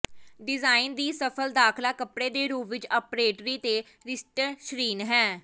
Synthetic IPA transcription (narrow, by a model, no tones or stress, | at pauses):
ɖɪzaːɪnd̪iːsəpʰəld̪aːkʰlaːkəpɽeːd̪eːɾuːpʋɪt͡ʃaːpɾeːʈɾiːt̪eː | ɾɪsʈəɾʃɾiːnɦɛː